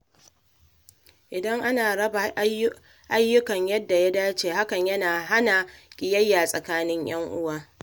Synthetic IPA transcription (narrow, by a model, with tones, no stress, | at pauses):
ʔɪ˨dɐ˦ŋʔa˦naː˨ɽɐ˦ba˨˦ | ʔa˦jːʊ˦kɐ˨ɲjɐ˦dːa˨ja˦daː˦t͡ʃeː˨ha˦kɐ˨ɲjɐ˦naː˨ɦa˦na˨kʲʼɪ˨jɐ˦jːaː˨sʼɐ˨kaː˦nɪ˦ɲj̰ɐ˦ŋʔʊ˦waː˦